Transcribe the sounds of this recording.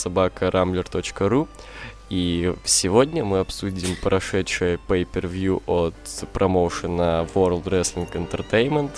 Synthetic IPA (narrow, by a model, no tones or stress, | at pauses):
sɐbakəɾʔamblʲɪrt̪ot͡ɕkəɾu | ifsʲɪvo̞dʲnʲəmɨɐpsudʲɪmpɾʔɐʂɛtʂɨjəpəjpʲɪrvʲjuʔot̪pɾʔɐmowʂɨnəvoɾlˠd̪rɛslʲɪnkɨnt̪ərt̪ejnmʲənt̪